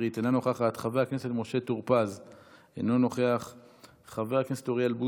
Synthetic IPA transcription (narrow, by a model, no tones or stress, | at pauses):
it̪enano̞χeaχaːt̪χaveaknesetmo̞ʃet̪uʁpaz | ḛno̞no̞χeaχ | χaveakneset̪oʁialbu